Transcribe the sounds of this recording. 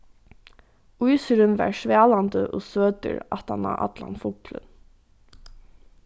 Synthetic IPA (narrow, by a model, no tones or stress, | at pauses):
ʊʏsəɾʉmʋæ̰ːɹʃʋæːlɑnd̪əʔoːsøːd̪ə̰ɹɑt̪ɑnɑ̰ʔɑ̰d̪lɑ̰nfʊːklə̰n